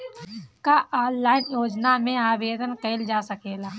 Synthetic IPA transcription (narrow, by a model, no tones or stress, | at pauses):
kaʔaːlːaːɪnjoːd͡ʒnamẽaːʋeːd̪ənkəɪld͡ʒaːsɐkeːlaː